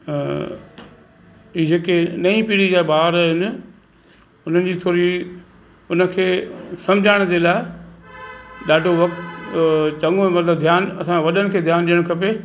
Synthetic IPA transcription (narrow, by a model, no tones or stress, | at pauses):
iːd͡ʑeːkenɐĩpiːɽid͡ʑaːebaːəɾɦɪnɪ̆ | ʊn̤ənɪ̆d͡ʑiːt̪ʰoːɾi | ʊnə̆kʰeːsɐ̃mɪd͡ʑʱaːɪɽ̃d͡ʑeːlaːɪ | ɗaːɖʱoʋɐkt̪ | t͡ɕɐ̃ŋomɐt̪ləb̚d̪ʱjaːnɐsãʋɐɗənɪ̆kʰeːd̪ʱjaːnɗijəɽ̃kʰɐpeː